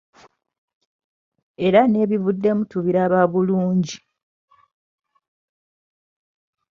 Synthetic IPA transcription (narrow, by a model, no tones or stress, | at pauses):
e̞ɾane̞ːβiβudːe̞mutuβiɾaːβaːβuluːɲɟi